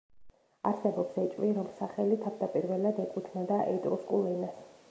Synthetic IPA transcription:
aɾsɛbɔpsɛt͡ʃʼviɾɔmsaχɛlit̪ʰavd̪apʼiɾvɛlad̪ɛkʼut̪ʰnad̪aʔɛt̪ʼɾuskʼulˠɛnas

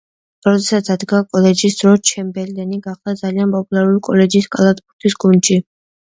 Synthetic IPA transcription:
ɾɔd̪ɛsat̪sad̪ɡaːkʼɔlɛd͡ʒisd̪̥ɾɔt͡ʃʰɛmbɛld̪ɛniɡaχd̪ad̪zalianpʼɔpʼulˠaɾulikʼɔlɛd͡ʒiskʼalˠat̪ʰbuɾt̪ʰisɡund̪ʃi

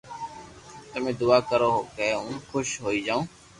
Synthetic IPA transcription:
t̪əmẽːd̪ʊaːkəɾoːɦoːkeʊ̃ːnxʰʊʃɦoːiːd͡ʒaːõː

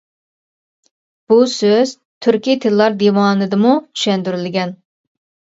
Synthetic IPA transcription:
b̥usøz̥ | t̪ʰyɾkʲit̪ʰɪlːˠɑɾd̪ewɑːnɨd̪ɨmut͡ʃʰy̥ʃɛnd̪yɾylɪɡʲɛn

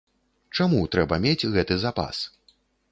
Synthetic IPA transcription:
t͡ʂamut̪ɾɛbɐmʲed͡zʲɣɛt̪ɨzapa̰s

